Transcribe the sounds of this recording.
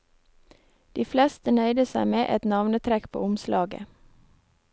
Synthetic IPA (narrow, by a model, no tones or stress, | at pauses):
d̪̥iːflɛst̪ənœʏd̪əsæɪmeːʔɛt̪nɑʋnət̪ʰɾɛkpʰo̰ːʊmslɑːɡə̰